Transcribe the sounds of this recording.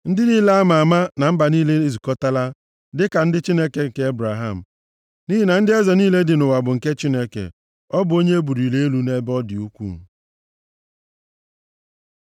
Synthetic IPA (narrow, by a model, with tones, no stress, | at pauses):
n̩˦dɪ˦ni˦le˦a˦ma˨a˨ma˦na˨m̩˦ba˨niː˦le˦e˦zu˨kɔ˦ta˦la˦ | dɪ˦ka˨n̩˦dɪ˦t͡ʃi˦ne˦ke˨ŋ̩˨ke˨˦e˦bɾa˨ɦa˦˨m̩˨ | ni˦ɦi˨na˨n̩˦dɪ˦ɛ˦zɔ˨niː˦le˦dɪ˨nʊ˨wa˨bʊ˨ŋ̩˨ke˦t͡ʃi˦ne˦kḛ˨ | ɔ˦bʊ˨o˦ɲe˦e˦bu˨ɾi˨le˦e˦lu˨ne˦bɔ˦dɪ˨u˦kʷṵ˦˨